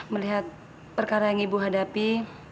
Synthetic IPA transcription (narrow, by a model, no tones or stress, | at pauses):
məliɦat̪̚ | pərkaɾajaŋibuɦadapi